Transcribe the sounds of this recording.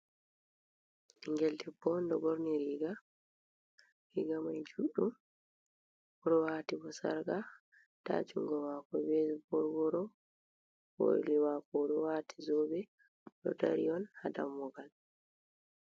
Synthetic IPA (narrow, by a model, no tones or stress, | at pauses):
iŋɡɛltɛbɔndɔbɔɾniɾiɡa | ɾiɡamajd͡ʒuɗum | ɔɗɔwaːtibɔsa̰ɾɡa | ta̰t͡ʃuŋɡɔwakɔbɛbɔɾwɔɾɔ | bo̰liwakɔɗɔwatʰi̥zoːbɛ | ɗɔ̰taɾijɔnhada̰mːɔɡal